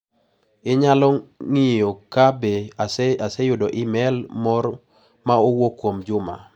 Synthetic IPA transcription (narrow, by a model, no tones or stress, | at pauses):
ɪɲalɔŋɪjokabeaasejʊdɔʔɪmɛlmɔr | maowokwomd͡ʒʊma̰